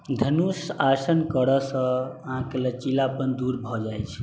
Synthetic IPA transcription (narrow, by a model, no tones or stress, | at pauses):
d̪ʱənusaɾsənkəɾɔsə̃əɦãkelət͡ʃilapənd̪uɾbʱɔd͡ʒajt͡ʃʰ